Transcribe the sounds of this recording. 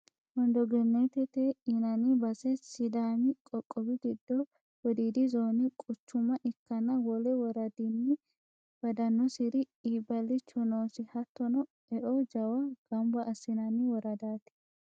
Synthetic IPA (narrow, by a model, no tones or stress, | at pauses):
wɔnd̪ɔɡɛnːet̪ɛt̪eɪnɐnɪbɐsɛsɪd̪aːmɪkʼɔkʼːɔbɪɡɪd̪ːɔ | wɔd̪iːd̪ɪzoːnɪkʼʊt͡ʃːʊmɐʔɪkːɐnɐwɔlɛwɔɾɐd̪inːɪ | b̥ɐd̪ɐnːɔsɪɾɪ | iːbɐlːɪt͡ʃːɔnoːsɪhɐt̪ːɔnɔ | ɛʔɔd͡ʒɐwɐɡ̥ɐmbɐʔːsɪnɐnɪwɔɾɐd̪aːt̪ɪ̥